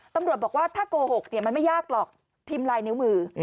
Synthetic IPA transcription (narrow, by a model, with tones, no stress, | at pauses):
t̪a˧mɾu˨˩ət̪̚bɔː˨˩k̚waː˥˩t̪ʰaː˥˩koː˧ho˨˩k̚ni˥˩ɐma˧nma˥˩jaː˥˩k̚lɔː˨˩k̚ | t̪ʰiː˧mlaː˧jnɯ˦˥wmɯː˧